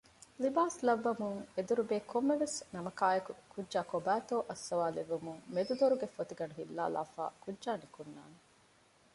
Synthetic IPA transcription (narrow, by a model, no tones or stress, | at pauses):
libaːslɐʋːɐmuŋed̪uɾubeːkʰomːeʋesnɐmɐkaːjɐkukudːʒaːkobæːt̪oːʔɐsːɐʋaːleʋːumuŋmed̪ud̪oɾuɡefot̪iɡɐɳuɦilːa̰ːla̰ːfa̰ːkudʒaːnikunːa̰ːne